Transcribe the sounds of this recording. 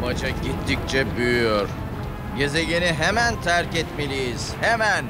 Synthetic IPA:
bad͡ʒaɟit̪ʰːic̚ʲt͡ʃʰɛbyjyjoɾ̥ | je̞zeɟiniɦemænt̪ʰæɾcɛt̪melʲijiz̥hemæn

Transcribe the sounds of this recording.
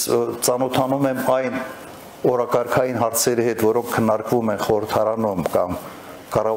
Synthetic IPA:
t͡sɑnɔt̪ʰɑnumɛmɑjn | ɔɾɑkɑɾkʰɑjinɦɑɾt͡sʰɛɾihɛt̪vɔɾɔŋkʰːənːɑɾkvumɛnχɔɾəɾt̪ʰɑɾɑnumkɑm | kɑrɑ

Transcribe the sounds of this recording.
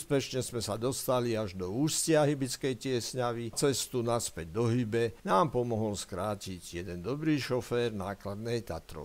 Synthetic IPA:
spɛʃɲɛzmɛsad̪ɔst̪aliaʒd̪ɔuːscɪaɦibit͡skɛjtɪɛsɲaʋit͡sɛst̪unaspɛɟ̚d̪ɔɦibɛnaːmpɔmɔɦɔlskɾaːciɟjɛd̪ɛnd̪ɔbɾiːʃɔfɛːɾnaːklad̪nɛjt̪a̰t̪ɾɔ̰

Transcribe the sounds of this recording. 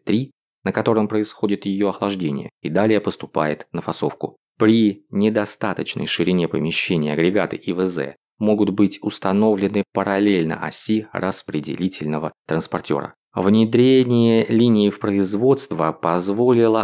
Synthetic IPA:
t̪ɾʲi | nəkɐt̪o̞ɾɨmpɾəɪsxo̞dʲɪt̪jɪjo̞ɐxlˠɐʐdʲenʲɪ̰jə̰id̪alʲɪjəpəst̪ʊpa̰jɪt̪nəfɐso̞fkʊ̰ | pɾʲɪnʲɪd̪ɐst̪at̪ət͡ɕnə̰jʂɨɾʲɪnʲepə̰mʲɪɕːenʲɪːɐɡɾʲɪɡat̪ɨ̰ʔivəzɛ̰ | mo̞ɡʊt̪bɨtʲʊst̪ɐno̞vlʲɪnɨpəɾɐlʲelʲnə̰ʔɐ̰sʲirəspɾʲɪdʲɪ̰lʲitʲɪlʲnəvət̪ɾənspɐrtʲo̞̰ɾə̰ | vnʲɪd̪ɾʲenʲɪjəlʲinʲɪːfpɾəɪzvo̞t̪st̪vəpɐzvo̞lʲɪlˠə

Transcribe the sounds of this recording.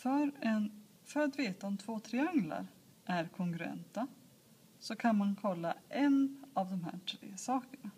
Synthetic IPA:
fœɾɛn | fœɾat̪veːt̪aɔmt̪ʰvoːt̪ʰɾɛaŋla̰ɾ | ʔæɾkʰɔŋkɵɾɛ̰nt̪a | sɔkʰanmankʰɔlːa̰ʔɛnavd̪ɔmɦæ̰ːʈʰɾḛːsɑːkəɳa

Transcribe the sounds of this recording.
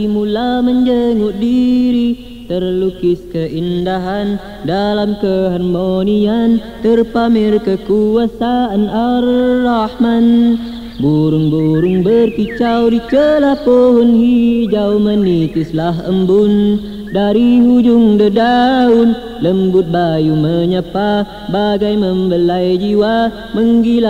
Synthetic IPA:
imulaməɲd͡ʒəŋʊʔ̪̚diɾi | t̪ərlukɪskəʔindaɦan | dalamkəɦanmonian | t̪ərpamɪrkəkuasaanʔalːahman | buɾʊŋbuɾʊŋbərkit͡ʃawdikəlapoɦʊnhid͡ʒawmənːit̪ʊslaɦʔə̰mbʊn | daɾiɦud͡ʒʊŋdədaʊn | ləmbʊt̪̚bajuməɲəpa | baɡajməmbəlajd͡ʒiwa | məŋɡil

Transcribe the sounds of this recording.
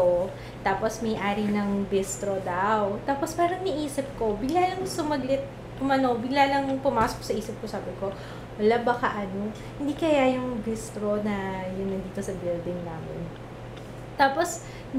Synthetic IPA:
o | t̪aːposmɐjʔaːɾinɐŋbɪst̪ɾod̪ɐwt̪aːpospaːɾɐŋnɪʔiːsɪp̚ko̞bɪɡlaːlɐŋsʊmɐɡlɪt̪̚ | pʊmɐno̞wbɪɡlalɐŋpʊmaːsok̚sɐʔiːsɪp̚kosaːbɪko̞ | wɐlabɐkaʔɐno̞ | hɪnd̪iːkɐjajʊŋbɪst̪ɾo̞nɐjʊnːɐd̪iːt̪o̞sɐbɪld̪ɪŋnaːmɪn | t̪aːpo̞s

